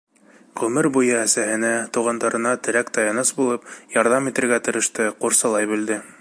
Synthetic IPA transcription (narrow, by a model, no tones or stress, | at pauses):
ʁɵmɘɾbujɤæsæhɘ̆næt̪uʁɑnd̪ɑɾɤ̆nɑt̪ɘ̆ɾækt̪ɑjɑnɤsbulˠɤpjɑɾðɑmit̪ɘ̆ɾɡæt̪ɤ̆ɾɤ̆ʃt̪ɤquɾsɑlˠɑjbɘ̆ld̪ɘ